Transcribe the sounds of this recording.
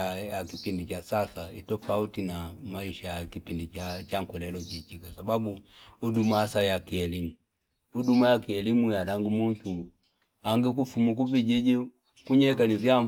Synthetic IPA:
jakipindit͡ʃasasaitɔfautinamaiʃajakipindit͡ʃat͡ʃaŋkɛlɛlɔt͡ʃit͡ʃikwasababuːdumasajakiɛlimu | udumajakiɛlimujaɗaŋɡumuʃu | aŋɡɛk̬ufumuk̬uvid͡ʒɛd͡ʒɛ | kuɲɛkanizia

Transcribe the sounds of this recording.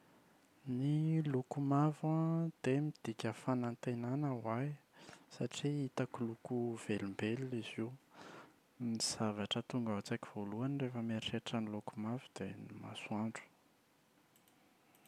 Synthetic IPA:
nilukumavad̪̥emid̪̥ikʲəfanant̪enanəwajsaʈ͡ʂiit̪akulukuv̥elimbeliiziw | niz̥avaʈ͡ʂət̪uŋɡaɦat͡saki̥v̥oluanrefəmeʃeʈ͡ʂənilukumavud̪enima̰suaɳɖ͡ʐu̥

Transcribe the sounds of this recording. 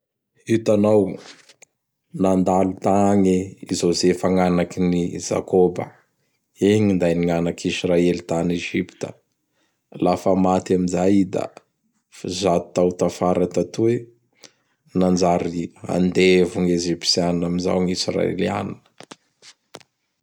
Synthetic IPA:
it̪anaw | nand̪alut̪aŋeizozefaŋanakiniz̥a̰kobə̰ | eŋind̪ajniŋanakʰisraelit̪aneʒipt̪ə̥̰ | lafəmat̪aminzajd̪a̰ | fizat̪t̪awt̪afaɾat̪at̪ue | nand͡ʒaɾia̰nd̪evuŋeʒipsianinaminza̰wŋisra̰ḛlia̰ninə̥

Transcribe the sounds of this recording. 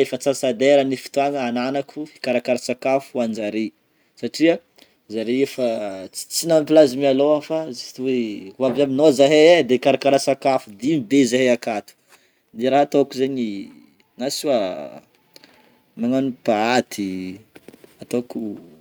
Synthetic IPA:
efat͡sasad̪eɾanifi̥t̪uaŋəananakʰui̥kaɾakaɾasakafuuand͡ʒaɾi | saʈ͡ʂiə | zaɾeefat͡si̥t͡sinampilazimialoafazit̪weuavaminozaɦeed̪eikaɾakaɾasakafud̪imibezaɦeakat̪u̥ | d̪eɾaɦat̪okuzeɲi | nasia | maŋanupaat̪ʰi | at̪oku

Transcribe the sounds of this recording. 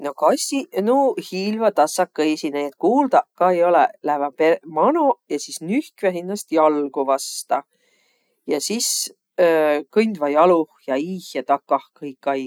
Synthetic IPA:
no̞kɑsʲinuhiːlvɑt̪ɑsːɑkːesinet̪kuːld̪̥ɑkɑejo̞lɛlæhvɑpemɑnujɑsisnyhkvæɦinːɑst̪jɑlɡ̥uvɑst̪ɑ | jɑsis | kɤjnʲd̪vɑjɑluhjɑiːhjɑt̪ɑkːɑhkɤjkːˑɑj

